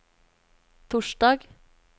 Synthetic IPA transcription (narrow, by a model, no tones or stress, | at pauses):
t̪ʰʊʃɖɑːɡ